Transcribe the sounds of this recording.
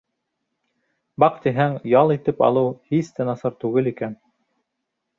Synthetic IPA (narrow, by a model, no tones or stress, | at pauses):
bɑqt̪iɦæŋjɑlˠit̪ɘpɑ̰lˠɤwhist̪ænɑsɑɾt̪ʉɡɘlikæn